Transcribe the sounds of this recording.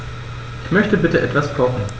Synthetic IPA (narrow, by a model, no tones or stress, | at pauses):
ʔʔɪçmœçtəbɪtəʔɛtv̥askʰɔχn̩